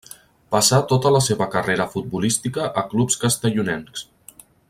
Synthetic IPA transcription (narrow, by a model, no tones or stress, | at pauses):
pəsat̪ot̪ələseβəkəreɾəfut̪̚bulist̪ikəʔəklupskəst̪əʎunɛnks